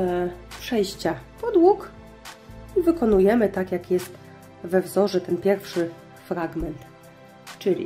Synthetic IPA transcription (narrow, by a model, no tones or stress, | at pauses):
pʂɛjɕt͡ɕapɔd̪wuk | ivɘkɔnujɛmɘt̪akjakjɛst̪ | vɛvzɔʐɛt̪ɛnpʲjɛɾfʂɘ | fɾaɡmɛnt̪ | t͡ʂɘlʲḭ